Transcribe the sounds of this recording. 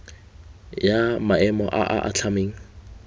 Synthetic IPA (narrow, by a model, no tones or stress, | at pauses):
jamaɛmɔʔa̰ʔaʔa̰t͡ɬʰameːŋ̩